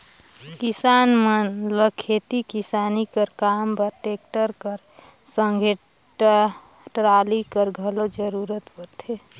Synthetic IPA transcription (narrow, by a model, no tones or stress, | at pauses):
kisanmənləkʰet̪ikisanikəɾkampəɾʈek̚ʈəɾkəɾ | sə̃ŋɡʱeʈ | ʈɾalikəɾɡʱəlod͡ʒəɾuɾət̪pət̪ʰe